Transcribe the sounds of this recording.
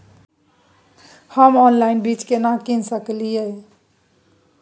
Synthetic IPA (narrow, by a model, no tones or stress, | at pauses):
həmɔnlainbit͡ʃkenakinsəklijə